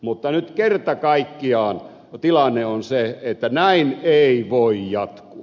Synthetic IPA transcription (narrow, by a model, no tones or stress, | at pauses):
mut̪ːɑnyt̪kert̪ɑkɑikːiɑːn | t̪ilɑnːeonseet̪ːænæineiʋoijjɑt̪kuɑ